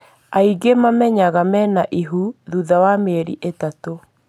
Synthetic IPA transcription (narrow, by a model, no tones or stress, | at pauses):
aiɡemamɛɲaɣamɛnaʔiɦuðuðawameɾḭʔetato